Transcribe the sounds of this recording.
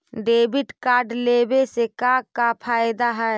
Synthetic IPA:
ɖeːbɪʈkaːɾɖleːbesekakapʰaːjd̪aɦɛ

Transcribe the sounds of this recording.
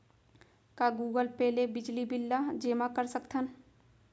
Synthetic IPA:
kaɡuːɡəlpɛːlebɪd͡ʒlibɪlːad͡ʒeːmakəɾsəkt̪ʰən

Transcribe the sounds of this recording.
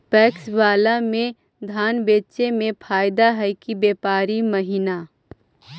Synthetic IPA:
pɛːksbaːlamẽ | d̪ʱaːnbeːt͡ʃemẽpʰaːɪd̪aɦɛjkibeːpaːɾiməɦina

